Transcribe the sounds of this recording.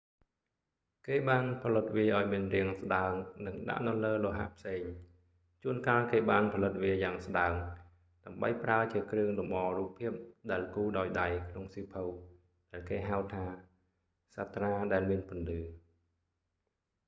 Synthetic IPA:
keːɓaːnpʰɑlɨt̪̚ʋiəʔaɔjmiənriəŋsɗaəŋnɨŋɗa̰ʔnɨləːloɦa̰ʔpʰseːŋ | t͡ɕuənkaːlkeːɓaːnpʰɑlɨt̪̚ʋiəjaːŋsɗaəŋ | ɗaəmɓə̰jpraət͡ɕiəkrɨəŋlumɓɑːruːpʰːiəp̚ɗaɛlkuːɗaɔjɗajkʰnoŋsiːpʰəw | ɗaɛlkeːɦaəwt̪ʰaː | sat̪raːɗaɛlmiənpʊ̆ənlɨː

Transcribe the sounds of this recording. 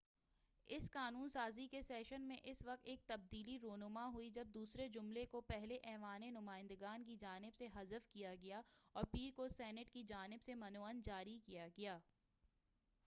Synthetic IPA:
ɪskaːnuːnsaːzikesɛːʃənmẽʔɪsʋɐk̚t̪eːk̚t̪ɐb̚d̪iːliɾoːnʊmaɦuid͡ʒɐb̚d̪uːsɾed͡ʒʊmlekopɛɦleʔɛːʋaːnenʊmaːɪ̃nd̪əɡaːnkid͡ʒaːnɪbseɦɐzəfkijaɡɐjaɔːɾpiːɾkosɛːnəʈkid͡ʒaːnɪbsemɐnoːənd͡ʒaːɾikijaɡɐjaː

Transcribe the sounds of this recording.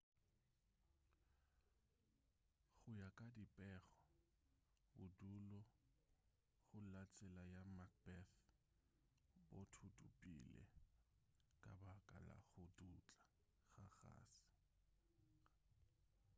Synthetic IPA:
χʊjakʼadipʼɛːɣɔ | bʊdulɔ | ɣʊlat͡sʼɛlajamak̚bɛθ | botʰutʼupʼḭlɛ̰ | kʼabakʼa̰la̰ɣʊdut͡ɬʼa | ɣaɣa̰ːsɪ̥

